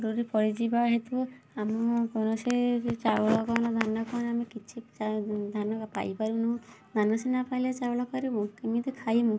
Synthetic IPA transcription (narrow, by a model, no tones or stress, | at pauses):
ɾuɾipɔɽid͡ʒibaɦet̪uu | amɔkɔnɔset͡ʃauɭɔkɔnɔd̪ʱanɔkɔnamikit͡ʃʰiad̪ʱanɔkapa̰jpaɾinũ | d̪ʱanɔsinapajlet͡ʃawlɔkɔɾibũkemit̪ukʰajmũ